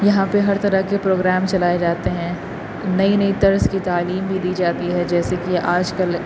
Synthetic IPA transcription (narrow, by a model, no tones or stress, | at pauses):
jɐɦãpeɦɐɾt̪ɐɾəkepɾoːɡɾɛːmt͡ʃɐlaːed͡ʒaːt̪eɦɛ̃ | nɐinɐit̪ɐɾzkit̪aːliːmbʱid̪iːd͡ʒaːt̪iɦɛd͡ʒɛːsekiʔaːd͡ʒkɐl